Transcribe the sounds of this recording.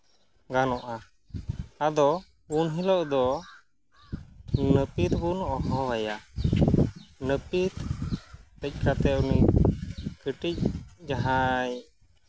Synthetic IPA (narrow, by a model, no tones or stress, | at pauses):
ɡanɔʔa | ad̪ɔ | bunɦilɔʔd̪ɔ | nəpit̪̚bunɔɦɔ̃waja | nəpit̪ | tɛc̚ˀkat̪ɛni | kəʈic̚d͡ʒaɦaj